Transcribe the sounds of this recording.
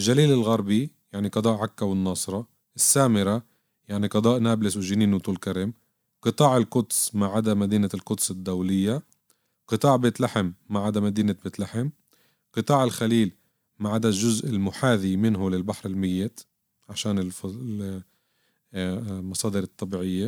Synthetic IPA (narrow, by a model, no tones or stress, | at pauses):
ʔɪlʒaliːlɪlɣɑɾˤbijaʕniqɑd̪ˤɑːʔʕakːawɪnːɑːsˤɾˤɑ | ʔɪsːaːmɪɾa | jaʕniqɑd̪ˤɑːʔnaːblɪswɪʒɪniːnuwt̪ˤuːlkaɾɪm | qɨt̪ˤɑːʕɪlkʊt̪smaʕad̪amad̪iːnalkʊt̪sɪd̪ːawlɪjːa | qɨt̪ˤɑːʕbɪt̪laħɪmːaʕad̪amad̪iːnabɪt̪laħɪm | qɨt̪ˤɑːʕɪlxaliːl | maʕad̪aʒʊzʔɪlmʊħaːðimɪnɦʊlɪlbaħɾɪlmɪjːɪt̪ | ʕaʃaːnɪlf | mɑsˤɑːd̪ɨɾɨt̪ˤːɑbiːʕɪjːa